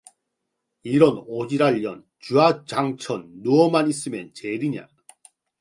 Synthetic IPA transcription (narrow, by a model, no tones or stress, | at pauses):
iɾʌnod͡ʑiɾaʎːʌn | t͡ɕuat͡ɕaŋt͡ɕʰʌnːuʌmanis͈ɯmjʌnt͡ɕeɾiɲa̰